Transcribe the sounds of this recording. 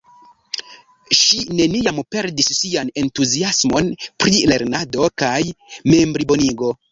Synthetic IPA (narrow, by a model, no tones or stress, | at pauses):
ʃine̞niampe̞ɾdisːiane̞ntuziasmo̞npɾile̞ɾnado̞kajme̞mbɾibo̞niɡo̞